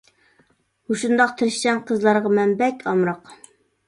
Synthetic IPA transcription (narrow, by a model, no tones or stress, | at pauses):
uʃund̪ɑq̚t̪ʰɨɾɪʃsɛnqʰəzlˠɑɾʁɑmɛnbɛkʲʰɑmɾɑq